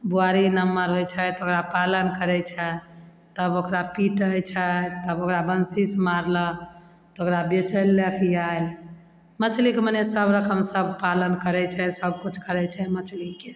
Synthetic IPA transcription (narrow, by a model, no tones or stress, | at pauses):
buaɾinəmːaɾɦɛt͡ʃʰɛt̪ɔokɾapalənkəɾɛt͡ʃʰɛ | t̪əbokɾapiʈəjt͡ʃʰɛt̪əbokɾabənsismaɾlə | t̪ɔokɾabet͡ʃʰəlːekijael | mət͡ʃʰlikmənɛsəbɾəkʰəmsəb̚palənkəɾɛt͡ʃʰɛsəb̚kut͡ʃʰkəɾɛt͡ʃʰɛmət͡ʃʰlike